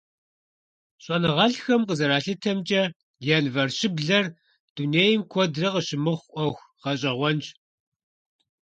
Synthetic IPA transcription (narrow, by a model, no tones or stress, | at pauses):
ɕʼɔnɨʁɐɬxɐmqəzɐɾaːɬɨtʰɐmt͡ʃʼɐ | jaːnvɐrɕɪbɮɐr | d̥uneːjɪmkʷʰɔdrɐqəɕɪmɨχʷʔʷɔxʷ | qɐɕʼɐʁʷɔnt͡ʃ